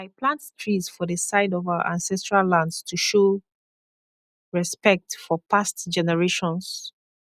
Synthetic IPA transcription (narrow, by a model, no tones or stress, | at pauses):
aɪplãnttʰɹizfɔðəsaɪdɔvaʊə̰ʔãnsɛstɹalːãndstʰuʃo | ɹɛspɛk̚tfɔpʰastd͡ʒɛnɛɹeʃɔ̃ns